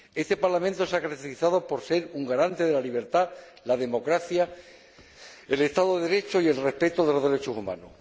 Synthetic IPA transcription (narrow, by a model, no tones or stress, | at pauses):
e̞st̪e̞paɾlamẽnt̪osakaɾakt̪eɾiθaðo̞po̞ɾse̞ɾuŋɡaɾant̪e̞ðe̞laliβ̞e̞ɾt̪a | laðe̞mo̞kɾaθja | e̞le̞st̪aðoðeðeɾe̞t͡ʃoie̞lre̞hpe̞t̪oðe̞lo̞ðe̞ɾe̞t͡ʃosumã̰no̰